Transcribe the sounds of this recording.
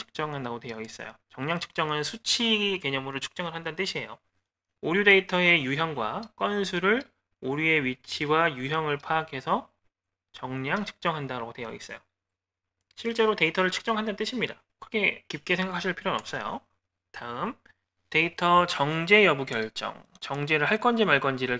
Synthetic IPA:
ɯ̥k̚t͡ɕ͈ʌŋɦandaɡotwe̞jʌis͈ʌ̰jo̰t͡ɕʌŋɲaŋt͡ɕʰɯ̥k̚t͡ɕ͈ʌŋɯnsʰut͡ɕʰiɡike̞ɲʌmɯɾot͡ɕʰu̥k̚t͡ɕ͈ʌŋɯɭɦandant͈ɯɕʰie̞jo̰ | oɾjude̞itʰʌe̞juɦjʌŋɡwak͈ʌns̬ʰuɾɯɭ | uɾie̞ɥit͡ɕʰiwajuɦjʌŋɯɭpʰaːkʰe̞sʰʌ | t͡ɕʌŋɲaŋt͡ɕʰɯ̥k̚t͡ɕ͈ʌŋɦandaɾaɡotejʌ̰ḭs͈ʌ̰jo̰ | ɕʰiɭt͡ɕ͈e̞ɾote̞itʰʌɾɯɭt͡ɕʰu̥k̚t͡ɕ͈ʌŋɦandannt͈ɯɕʰimɲida̰ | kɯɾkʰe̞kip̚k͈e̞sʰe̞ŋɡakʰaɕʰiɭpʰiɾjonʌp̚s͈ʌjo̰ | taɯm | te̞itʰʌt͡ɕʌŋd͡ʑe̞jʌbukjʌɭt͡ɕ͈ʌ̰ŋ | t͡ɕʌŋd͡ʑe̞ɾɯɭɦaɭk͈ʌnd͡ʑimaɭk͈ʌnd͡ʑiɾɯɭ

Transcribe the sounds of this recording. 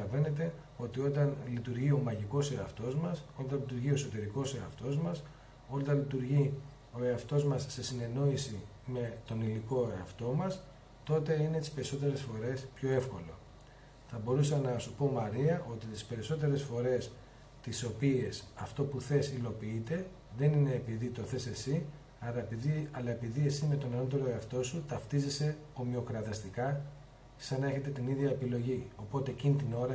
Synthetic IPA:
ɐve̞ne̞t̪̬e̞ | o̞t̪io̞t̪ɐnlit̪uɾʝio̞mɐʝiko̞seɐft̪o̞zmɐso̞lt̪ɐnlit̪uɾʝio̞so̞t̪e̞ɾiko̞seɐft̪o̞zmɐs | o̞lt̪ɐlit̪uɾʝi | o̞e̞ɐft̪o̞zmɐsːe̞sine̞no̞isi | me̞t̪o̞niliko̞eɐft̪o̞mɐs | t̪o̞t̪e̞inet̪ispe̞ɾiso̞t̪e̞ɾe̞sfo̞ɾe̞spço̞e̞fko̞lo̞̰ | θɐbo̞ɾusɐnɐsupo̞mɐɾiɐʔo̞t̪it̪i̥spe̞ɾiso̞t̪e̞ɾe̞sfo̞ɾe̞s | t̪iso̞pie̞sɐft̪o̞puθe̞silo̞piit̪e̞ | ðe̞nine̞ːpiðit̪o̞θe̞se̞si | ɐɾɐepiiɐlɐe̞piðie̞sime̞t̪o̞neno̞t̪̬e̞ɾo̞eɐft̪o̞sut̪ɐft̪izese̞o̞mio̞kɾɐðɐst̪ikɐ | sɐnɐe̞çe̞t̪e̞t̪iniðʝɐepilo̞ʝio̞po̞t̪e̞ːcinit̪ino̞ɾɐ

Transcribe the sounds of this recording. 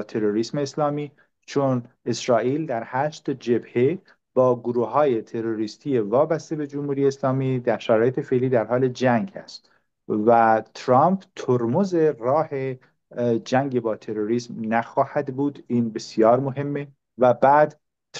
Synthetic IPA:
t̪ʰe̞ɾoɾiːsmeːslɒːmiː | t͡ʃʰone̞sɾɒːʔiːld̪æɾhæːʃt̪d͡ʒe̞bhe | b̥ɒːɡoɾuːhɒːjet̪ʰe̞ɾoɾiːst̪ʰijevɒːbæst̪e̞be̞d͡ʒomhuːɾijeːslɒːmiːd̪æɾʃæɾɒːjet̪ʰe̞fe̞ʔliːd̪æɾhɒːle̞d͡ʒæŋɡæ̰st̪ | væt̪ʰɾɑmpʰt̪ʰoɾmoze̞ɾɒːhe | d͡ʒæŋɡebɒːt̪ʰe̞ɾoɾiːsmnæxɒːhæd̪buːd̪iːnbe̞sijɒːɾmoɦe̞mːe̞ | væbæːd̪

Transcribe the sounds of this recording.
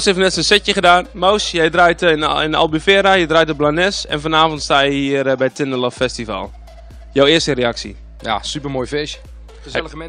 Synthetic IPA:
shefnɛtsənsɪtjəχədaːnmowsjɛjdrajtɪna̰lˠbyfɛːɾajədrajtəblanɛsɛ̰nfɔnaːfɔntstaːjəhiərbɛjtʰɪnəlɔffɛstiva̰lˠ | jowɪəstəreaksḭ | ja̰sypərmoːjfɪʃ | əsɛləəm

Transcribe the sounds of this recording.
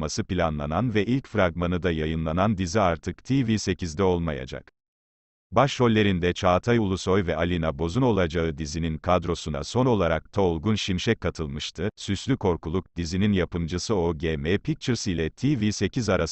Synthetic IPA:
masɯpilʲanlˠananvɛʔilʲcfɾaɡmanɯd̪ajajɯnlˠanand̪iziaɾt̪ʰɯkt̪ʰivise̞cizd̪ɛo̞lˠmaja̰d͡ʒa̰k | baʃho̞lʲːe̞ɾind̪ɛt͡ʃʰaːt̪ʰajulˠuso̞jvɛalʲinabo̞zuno̞lˠad͡ʒaɯd̪izininkʰad̪ɾo̞suna̰so̞no̞lˠaɾak̚t̪ʰaolˠɡunʃimʃɛkʰːat̪ʰɯlˠmɯʃt̪ʰɯsyslʲykʰo̞ɾkulˠuk̚d̪̥izininjapɯmd͡ʒɯsɯo̞ɟeːmɛpʰik̚t͡ʃʰɯɾsilʲɛt̪ʰivise̞cʰizaɾas

